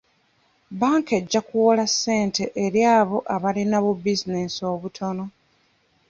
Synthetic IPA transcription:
baːŋke̞ɟːakuwolasːe̞ːnte̞ʔːɾjaːβo̞ʔaβalinaβubizine̞so̞ːβutʰo̞no̞

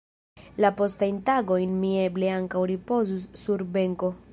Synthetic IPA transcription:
lapo̞stajntaɡo̞jnmie̞ble̞aŋkawɾipo̞zusːuɾbe̞ŋko̞

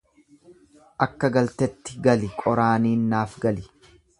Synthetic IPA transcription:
ʔɐkːɐɡɐlt̪ɛt̪ːɪ̥ɡɐlɪkʼɔɾaːniːnːaːfɡɐlɪ

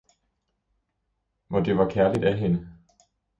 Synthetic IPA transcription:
ʋɒd̥e̝ʋɑ̈kʰæɐlid̥æɦenə

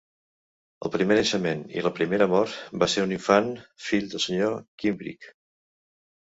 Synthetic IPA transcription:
ə̰lˠpɾimenəʃəmenḭləpɾimeɾəmɔɾt̪baseɾuniɱfanfiʎd̪əlˠsəɲokimbɾḭk

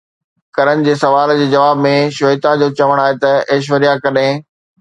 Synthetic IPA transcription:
kɐɾənɪ̆d͡ʑeːsɐʋaːld͡ʑeːd͡ʑɐʋaːbmẽʃʊɪt̪ad͡ʑoːt͡ɕɐʋəɽ̃aːɦet̪ɐeːʃ̬ʋəɾijakɐɗɦẽ

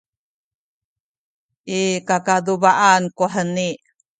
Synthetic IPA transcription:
ʔikakadubaʔankuħəniʔ

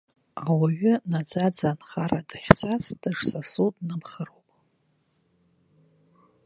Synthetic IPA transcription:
awaɥᶣʏnad͡zad͡zanχaɾadaχʲt͡sʼasd̥ɨʂsasudnɨmχərowpʼ

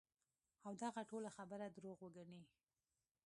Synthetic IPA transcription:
awd̪aɣaʈolaxabəɾad̪ɾoɣwəɡaɳi

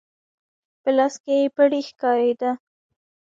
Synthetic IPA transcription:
pəlɑskeepəɽixkɑɾed̪a

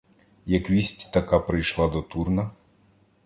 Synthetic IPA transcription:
jɐkʋʲisʲtʲt̪ɐkapɾɪjʃlˠɑd̪ɔt̪urnɐ

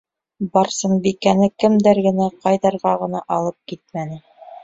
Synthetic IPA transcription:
bɑɾsɤɴbikænɘkɘ̆md̪æɾɡɘ̆næqɑjðɑɾʁɑʁɤ̆nɑʔɑlˠɤp̚kit̪̚mænɘ

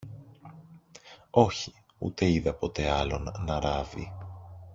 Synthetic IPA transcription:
o̞çi̥ | ṵt̪e̞iðɐpo̞t̪e̞ɐlo̞nːɐɾɐvḭ

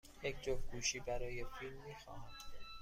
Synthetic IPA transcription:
jecʰd͡ʒofɡuːʃiːbæɾɒːje̞filmːiːxɒ̰ːhæn

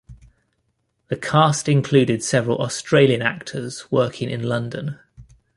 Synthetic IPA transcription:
ðəkʰɑˑstɪ̃nkʰl̥ʉːdɪd̥sɛvəɹə̰lʔɒstɹ̥eɪliə̃na̰k̚tʰəz̥wɜˑkʰɪ̃ŋɪ̰̃nlʌ̃ndə̃n

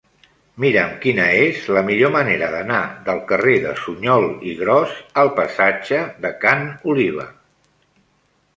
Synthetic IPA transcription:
miɾəmkinəezləmiʎoməneɾəðənaðəlˠkəreðə̰suɲɔlˠiɣɾɔzəlˠpəsad͡ʒəðəkanuliβ̞ə̰

